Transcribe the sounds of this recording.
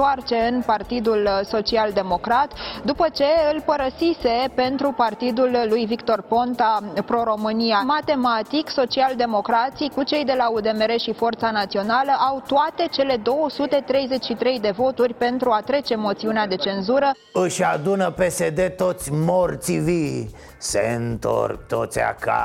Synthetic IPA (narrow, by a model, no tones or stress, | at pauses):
t̪oart͡ʃe̞ɨnpart̪id̪ulso̞t͡ʃiald̪e̞mo̞kɾat̪d̪upət͡ʃe̞ɨlpəɾəsise̞pe̞nt̪ɾupart̪id̪ulːujvikt̪o̞rpo̞nt̪apɾo̞ɾo̞mɨniamat̪e̞mat̪ikso̞t͡ʃiald̪e̞mo̞kɾat̪sikut͡ʃe̞jd̪e̞laud̪e̞meɾe̞ʃifo̞rt̪sanat̪sio̞naləʔawt̪oat̪e̞t͡ʃe̞le̞d̪o̞wəsut̪e̞t̪ɾe̞jze̞t͡ʃʲʃit̪ɾe̞jd̪e̞vo̞t̪urʲpe̞nt̪ɾuat̪ɾe̞t͡ʃe̞mo̞t̪siunead̪e̞t͡ʃe̞nzuɾə | ɨʃʲad̪unəpesed̪e̞t̪o̞t̪sʲmort̪sivi | sḛɨnt̪o̰rk̚t̪ot̪sʲa̰ka̰